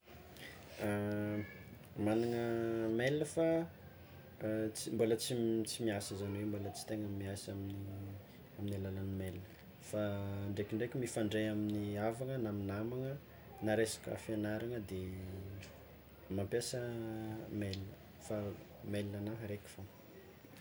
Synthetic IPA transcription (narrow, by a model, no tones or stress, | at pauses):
manaŋəmeləfa | t͡simbolət͡sit͡simiasəzanwewmbolət͡si̥t̪eŋəmiasamini | aminilalanimelinə̥ | faːɳɖ͡ʐekiɳɖ͡ʐekʲimifaɳɖ͡ʐejaminiavaŋənaminamaŋə | naɾesḁkə̰fianaɾaŋəd̪e | mampjasə | melnə | fa | melinanaɦɾeki̥fo